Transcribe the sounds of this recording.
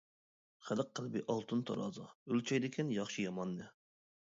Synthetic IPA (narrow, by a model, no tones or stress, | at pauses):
χələqqːəlˠbiʔɑlˠt̪ʰɨnt̪ʰɑ̰ɾɑ̰ːzɑ̰ølt͡ʃʰɑjd̪ɪkʲʰɪnjɑχʃijɑmɑnːɨ